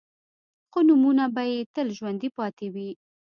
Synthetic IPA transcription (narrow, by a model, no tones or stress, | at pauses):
xonumunabajet̪əlʒwand̪ipɑt̪ewi